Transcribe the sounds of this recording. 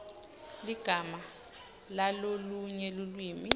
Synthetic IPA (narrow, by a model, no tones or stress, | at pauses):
liɡ̥ʱama | laloluɲɛlulwiːmi